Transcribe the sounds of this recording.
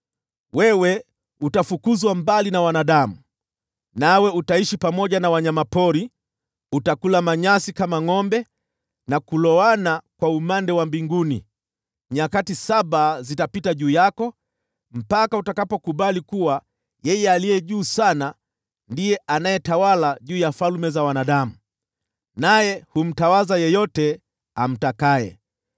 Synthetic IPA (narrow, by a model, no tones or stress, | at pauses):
wɛwɛ | utafukuzwambalinawanaɗamu | nawɛutaiʃipamɔʄanawaɲamapɔɾi | utakulamaɲasikamaŋɔmbɛ | nakulɔanakwaumandɛwambiŋɡunḭ | ɲakatisaɓazitapitaʄuːjakɔ | m̩pakautakapɔkuɓalikuwa | jɛjɛalijɛʄuːsana | ndijɛʔanajɛtawalaʄuːjafalmɛzawanaɗamu | najɛhum̩tawazajɛjɔtɛ | am̩takaɛ̰